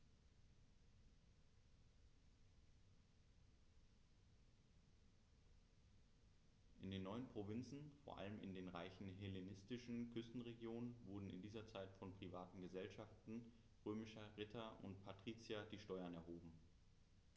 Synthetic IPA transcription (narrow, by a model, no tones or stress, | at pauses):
ʔɪndeːnːɔʏənpʁ̥ovɪnt͡sn̩foːɐʔa̰ləmɪ̰ndeːnʁa̰ɪçn̩ɦelenɪstɪʃn̩kʰʏstn̩ʁeɡjoːnənvʊɐdn̩ɪ̰ndiːzɐt͡saɪtfɔnpʁ̥ivaːtn̩ɡəzɛlʃaftn̩ | ʁøːmɪʃɐʁɪtʰɐʔʊ̰ntpʰatʁ̥iːt͡sjadiːʃtɔʏɐnɛɐɦoːbm̩